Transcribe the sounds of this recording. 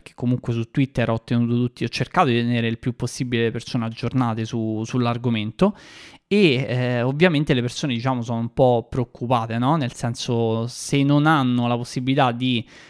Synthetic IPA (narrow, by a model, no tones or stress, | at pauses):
k̟e̥kːomuŋkwesut̪ːwit̪ːeɾɔt̪ːenuːt̪ot̪ut̪ːiɔt͡ʃːerkaːt̪od̪it̪eneːɾeilpjupːosːibilelepersoːnead͡ʒːornaːt̪esusulːarɡoment̪oeovːjament̪elepersoːned̪it͡ʃaːmosoːnoumpɔpːɾeokːupaːt̪enɔnelsɛnsosenːonanːolaposːibilit̪ad̪i